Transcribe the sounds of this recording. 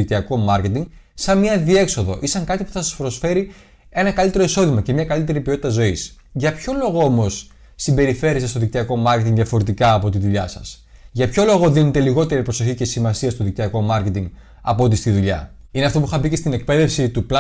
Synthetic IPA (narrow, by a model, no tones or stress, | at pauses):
ikt̪iɐko̞mɐɾce̞t̪iŋɡsɐmɲɐðie̞kso̞ðo̞̰ʔisɐŋkɐt̪ipu̥θɐsɐspɾo̞sfe̞ɾi | e̞nɐkɐlit̪e̞ɾo̞iso̞ðimɐce̞mɲɐkɐlit̪e̞ɾipio̞t̪i̥t̪ɐzo̞isʝɐpço̞lo̞ɣo̞omo̞sː | imbe̞ɾife̞ɾesest̪o̞ðikt̪iɐko̞mɐɾce̞t̪iŋɡðiɐfo̞ɾe̞t̪ikɐːpo̞t̪iðuʎɐsɐ̰sʝɐpço̞lo̞ɣo̞ðinet̪e̞liɣo̞t̪e̞ɾipɾoso̞çice̞simɐsiɐst̪oðik̚t̪iɐko̞mɐɾce̞t̪iŋɡ | ɐ̰po̞t̪ist̪iðuʎɐ̰ineɐft̪o̞puixɐbicest̪ine̞k̚pe̞ðe̞fsit̪upl